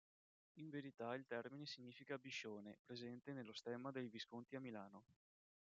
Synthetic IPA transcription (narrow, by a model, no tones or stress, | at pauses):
iɱveɾit̪ailt̪ɛrminesiɲːiːfikabiʃːoːnepɾezɛnt̪enelːost̪ɛmːad̪ejviskont̪iamilaːno